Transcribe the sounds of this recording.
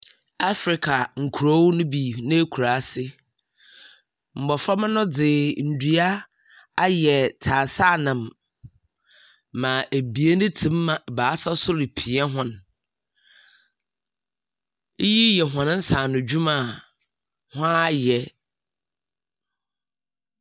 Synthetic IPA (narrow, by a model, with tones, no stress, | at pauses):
a˦fɾɪ˨kʰa˨ŋ̩˨kʰu˨ɾo˦wʊ˦nʊ̃˦bi˨nã˦e˦kʰu˨ɾa˨˦sɪ˦ | m̩˨bɔ˨fɾɔ˦mɪ̃˦nʊ̃˦d͡zɪ˨n̩˨du˨˦a˦ | a˦jɛ˨tʰa˨saː˦˨nã˨m | ã˨ʔe˨bi˨e˦nʊ̃˦tʰĩ˦mːã˨baː˨˦sa˦sʊ˦ɾɪ˨pʰi˨˦a˦ɦʊ̃˦n˦ | ji˦jɛ˨ɦɔ̃˨ñ˦n̩˦saː˨nʊ̃˨d͡ʑᶣu˦mã˨ | hʊ̃˦a˦jɛ˨